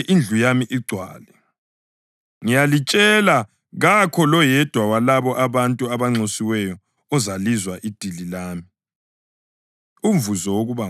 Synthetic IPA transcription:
ʔind͡ɮʱujamiʔiɡ͡ǀʱwa̰ːlɛ | ŋijalit͡ʃʼɛla | ɣakʰɔlɔjɛd̥ʱwawalaβɔʔaβantʼuaβaŋ͡ǀosiwɛjɔ | ɔzalizwaʔid̥ʱililaːmi | uɱvuzɔwoɣuβa

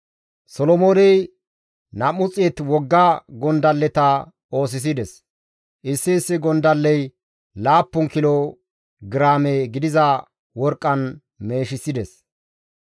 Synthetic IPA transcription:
sɔlɔmoːnɛj | nɐmʊt͡sʼːeːt̪wɔɡːɐɡɔnd̪ɐlːɛt̪ɐ | o̞ːs̬ɪs̬ɪd̪ɛs | ʔɪsːɪːsːɪɡɔnd̪ɐlːɛj | laːpːʊŋkɪlo | ɡɪɾaːmeɡɪd̪ɪzɐ | wɔɾkʼːɐn | me̞ːʃɪsɪd̪ɛs

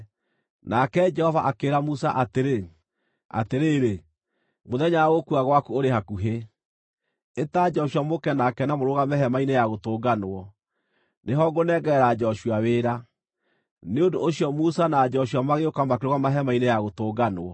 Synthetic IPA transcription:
nakɛd͡ʒɛhɔvaʔakeɾamusaʔateɾe | a̰teɾeːɾe | moðɛɲaɣokuaɣwakuoɾeɦakuɦe | etad͡ʒɔɕwamokɛnakɛnamoɾoɣamɛɦɛmainejaɣotoːɡanwɔ | neɦɔɡonɛɡɛɾad͡ʒɔɕwaweːɾa | neondooɕijɔmusanaːd͡ʒɔɕwamaɣeokamakeɾoɣamaɦɛmainejaɣotoːɡanwɔ

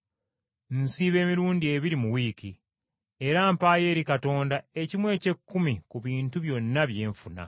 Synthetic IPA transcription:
n̩siːβe̞ːmiɾuːndie̞βiɾimuwiːki | e̞ɾaːmpaːje̞ːɾikato̞ːndae̞cimwe̞ːce̞kːumikuβiːntuβjo̞nːaβje̞ːɱfuna̰

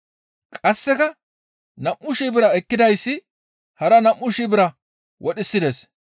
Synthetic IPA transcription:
kʼɐsːɛkɐ | nɐmʔʊʃiːbɪɾɐɛkːɪd̪ɐjsːɪ | hɐɾɐnɐmːʊʃiːbɪɾɐ | wɔɗɪsːɪd̪es

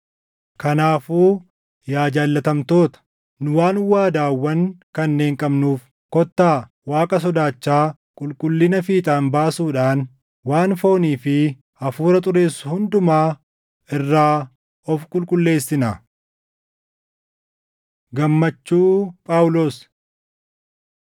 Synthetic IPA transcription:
kɐnaːfuː | jaːd͡ʒaːlːɐt̪ɐmt̪o̞ːt̪ɐ̥ | nʊwaːnwaːd̪aːwːɐnkɐnːe̞ːŋkʼɐbnuːf | kɔt̪ːaː | waːkʼɐs̬ɔd̪aːt͡ʃːaː | kʼʊlkʼʊlːɪnɐfiːt̪ʼaːnbaːsuːᶑaːn | waːnfo̞ːniːfɪ | ɐfuːɾɐt̪ʼʊɾe̞ːsːʊhʊnd̪ʊmaː | ɪrːaː | ɔfkʼʊlkʼʊlːe̞ːsːɪnɐ | ɡɐmːɐt͡ʃːuːpʼaːʊlos

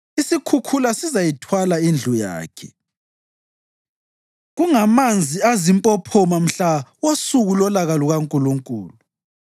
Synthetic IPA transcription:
isikʰukʰulasizajitʰwalaind͡ɮʱuja̰ːkʰɛ | ɣuŋamand͡zʱiazimpʼɔpʰɔmam̩ɬawosuɣulɔlaɣaluɣaŋkʼuluŋkʼṵːlu

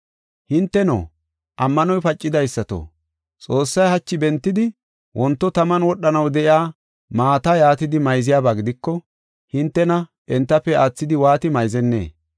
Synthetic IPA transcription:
hɪnt̪ːɛno̰ː | ʔɐmːɐnɔjpɐt͡ʃʼːɪd̪ɐjsːɐt̪o̰ | t͡sʼo̞ːsːɐjhɐt͡ʃːɪbɛnt̪ːɪd̪ɪ | wʔɔnt̪ːɔt̪ɐmɐnwɔɗːɐnɐwd̪ɛʔɪaː | maːt̪ɐjaːt̪ɪd̪ɪmɐjzɪjaːbaːɡɪd̪ɪkːɔ | hɪnt̪ːɛnɐ | ʔɛnt̪ːɐpːɛaːt͡sːɪd̪ɪwaːt̪ɪmɐjzɛnːḛː

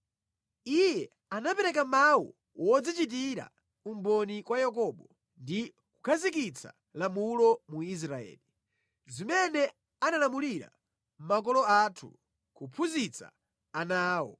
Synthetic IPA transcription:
ijɛ | anapɛɾɛk̬amawṵ | wɔd͡zit͡ʃit̬iɾa̰ | umbɔnikwajak̬ɔɓɔ | ndi | ku̥kʰazikit͡sʰa̰ | lamulɔmuis̬ɾaɛ̰ːli | zimɛnɛ | analamuliɾa̰ | m̩mak̬ɔlɔatʰu | kupʰuzit͡sʰa̰ː | naːwɔ̰

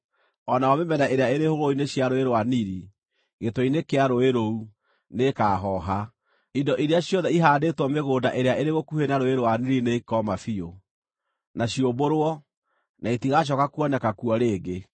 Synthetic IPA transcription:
ɔnaɔmemɛnaʔeɾeaeɾehoɣoineɕjaɾoeɾowaniɾi | ɣetɔinekeaɾoeɾou | nekaːɦɔɦa | idɔʔiɾeaɕjɔðɛiɦaːdetwɔmeɣoːdaʔeɾeaeɾeɣokuhenaɾoeɾowaniɾineikɔmafio | naɕioboɾwɔ | naetiɣaʃ̬ɔkakuɔnɛkakuɔɾeːɡe

